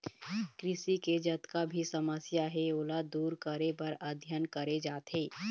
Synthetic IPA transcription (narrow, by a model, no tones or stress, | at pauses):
kɾɪsiked͡ʒɐt̪kabʱisəməsjaɦɛoːlad̪uːɾkəɾepɐɾəd̪ʱjənkəɾed͡ʒaːt̪ɦeː